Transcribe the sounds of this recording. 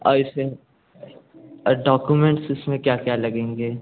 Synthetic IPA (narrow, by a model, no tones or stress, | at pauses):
ɔ̰ːɾɪse | ɔːɾɖɔːkumẽɳʈsʊsmẽkjaːkjaːlɐɡẽːŋɡeː